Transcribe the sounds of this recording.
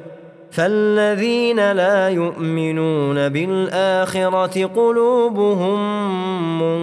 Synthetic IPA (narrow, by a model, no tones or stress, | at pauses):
falːaðiːnalaːjʊʔmɪnuːnabɪlʔaːxɪɾˤɑt̪ɪqʊluːbʊɦʊmː | ʊ